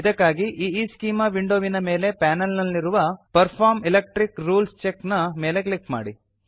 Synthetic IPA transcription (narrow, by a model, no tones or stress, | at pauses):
d̪ɐkːaːɡiʔiːiːskiːmɐʋiɳɖoːʋinɐme̞ːle̞pɛːnɐlnɐlːiɾuʋɐpɐɾpʰaːɾmilek̚ʈɾikɾuːlst͡ʃeknɐme̞ːle̞klikma̰ːɽi